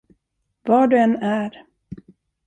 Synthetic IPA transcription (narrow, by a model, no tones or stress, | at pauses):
vɑːɖɵɛnːæɾ